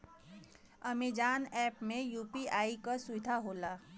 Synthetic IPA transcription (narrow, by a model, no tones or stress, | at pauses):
ɐmeːd͡ʒaːnɛːpmẽjuːpiaːikasʊʋɪd̪ʱaɦoːlaː